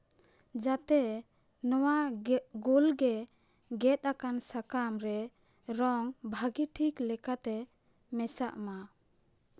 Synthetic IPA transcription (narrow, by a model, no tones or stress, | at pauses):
d͡ʒat̪ɛ | nɔwaɡulɡɛ | ɡɛt̪̚akansakamɾɛ | ɾɔŋbʱaɡiʈʰiklɛkat̪ɛ | mɛsa̰ʔma